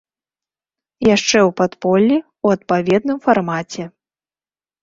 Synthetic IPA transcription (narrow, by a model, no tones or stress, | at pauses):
jaʂt͡ʂɛwpat̪pɔlʲːi | wɐt̪̚pavʲɛd̪nɨmfarmat͡sʲɛ